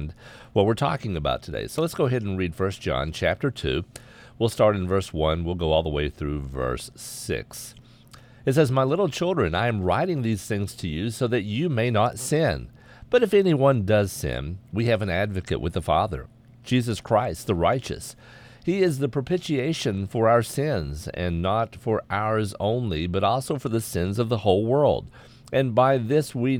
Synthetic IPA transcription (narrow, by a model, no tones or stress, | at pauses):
nd | wʌt̚wɨɹtʰɔ̰kɪ̃ŋɨba̰ʊtʰɨdḛɪsoʊlətsɡ̥oʊɦɛɾ̃n̩ɹid̥fɜ˞sd̥ʒ̥ɑ̰̃nt͡ʃʰæ̰p̚tə˞tʰʉ̰ | wilˠstɑɹɾɨ̃n̩vɜ˞swʌ̃nwilˠɡoʊɔlˠðəweɪθɹʉvɜ̰˞sɪ̰ks | ɨtsɛzmaɪlɪɾl̩ˠt͡ʃʰɪlˠdɹɨ̃na̰ɪɨ̃mɹaɪɾɪ̃ŋðiz̥θɪ̃ŋz̥tʰɨjʉsoʊðɨt͡ʃɨmeɪnətsɪ̃n | b̥ʌɾɨfɛniwʌ̃ndʌz̥sɪ̰̃nwiɨvɨ̃nædvɨkɨ̰ʔwɨ̰ðəfɑ̰ðə̰̥˞ | d͡ʒizɨskʰɹ̥aɪst̪̚ðəɹaɪt͡ʃɨ̰s | hiɪzðɨpʰɹ̥ə˞pʰɪʃieɪʃɨ̃nfə˞aʊə˞sɪ̃nzɨ̰̃nːətfə˞ʔaʊə˞zõ̰ʊ̃nlibʌɾɔlˠsoʊfə˞ðɨsɪ̃nzʌvðəhoʊlˠwɜ˞lˠd | ʔɨ̃nbaɪðɪswi